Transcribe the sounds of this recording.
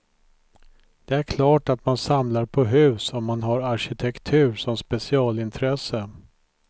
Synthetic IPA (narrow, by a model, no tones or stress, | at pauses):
d̪̥ɛæɾkʰlɑːʈat̪mansamlaɾpʰɔɦʉ̟ːsɔmːanɦaɾaɾɕɪt̪ʰɛkt̪ʰʉ̟ːɾʂɔmspɛsɪɑːlɪnt̪ʰɾɛsə